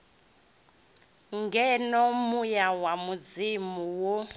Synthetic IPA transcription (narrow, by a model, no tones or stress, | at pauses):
ŋɡɛnɔmujawamud͡zimuwɔ